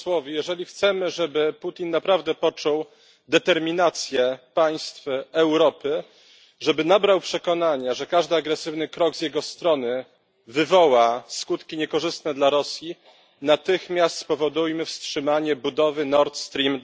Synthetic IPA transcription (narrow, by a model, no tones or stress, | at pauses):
swɔvʲijɛʐɛlʲixt̪sɛmɘʐɛbɘput̪ʲinːapɾavd̪ɛpɔt͡ʂɔw | d̪ɛt̪ɛɾmʲinat̪sʲjɛpaj̃st̪fɛwɾɔpɘ | ʐɛbɘnabɾawpʂɛkɔnaɲaʐɛkaʐd̪ɘaɡɾɛsɘvnɘkɾɔɡzʲjɛɡɔst̪ɾɔnɘ | vɘvɔwaskut̪kʲiɲɛkɔʐɘst̪nɛd̪laɾɔsʲji | nat̪ɘxmʲjast̪spɔvɔd̪ujmɘfstʂɘmaɲɛbud̪ɔvɘnɔɾt̪st̪ɾʲim